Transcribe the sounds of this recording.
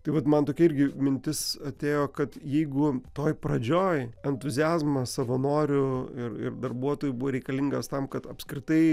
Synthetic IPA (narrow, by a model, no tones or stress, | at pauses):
t̪ɐɪʋɐt̪mɐnt̪oːkʲiɛɪɾʲɡʲɪmʲɪnʲt̪ʲɪsɐt̪ʲeːjoːkɐt̪jɛɪɡʊt̪oːjpɾɐd͡ʒʲoːjɛnt̪ʊzʲɪæːzmɐsɐʋɐnoːɾʲʊɪrɪ̰rd̪ɐrbuɔt̪oːjʊbʊʋɐːɾʲɛɪkɐlʲiŋɡɐst̪ɐmkɐt̪ɐpʲskɾʲɪt̪ɐɪ